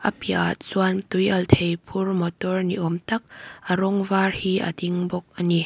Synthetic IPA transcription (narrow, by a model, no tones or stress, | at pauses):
ʔɐpiʔat̪̚zuant̪ujʔɐlt̪ʰejpʰurmɔt̪ɔrniʔɔmt̪ɐk̚ʔəɾɔŋvarhiʔɐ̰d̪iŋbɔk̚ʔɐni